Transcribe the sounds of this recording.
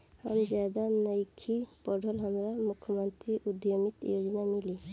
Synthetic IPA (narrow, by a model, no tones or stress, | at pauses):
ha̰md͡ʒad̪anəjkʰipɔɖʱɔlɦəmɾamukʰːəmənt̪ɾiʔud̪jomit̪joɡnamili